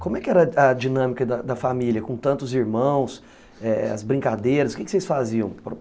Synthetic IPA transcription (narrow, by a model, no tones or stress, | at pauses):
kõmʊɛkɪɛɾɐɐd͡ʒinɐ̃mikɐd̪ɐd̪ɐfamiljɐkõt̪ɐ̃nt̪ʊziɾmɐ̃w̃s | ɛɐ̰zbɾĩkad̪ejɾɐsʊ̥kɪkɪ̥sejsfaziɐ̃w̃pɾ